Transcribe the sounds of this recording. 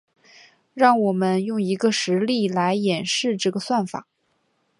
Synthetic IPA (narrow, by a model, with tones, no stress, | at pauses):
ɻɑ˥˩ŋwɔ˨˩mə˦njʊ˥˩ŋi˧˥ɡə˧ʂɻ̩˧˥li˥˩la˧˥ɪjɛ˨˩nʂɻ̩˥˧ʈ͡ʂɤ˥˩ɡə˩swa˥˩nfa̰˨˩˦